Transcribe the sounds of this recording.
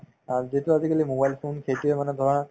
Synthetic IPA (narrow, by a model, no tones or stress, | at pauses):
azituazikalimobajlpʰonkʰetiɛmanɛd̪ʱɔɹɔna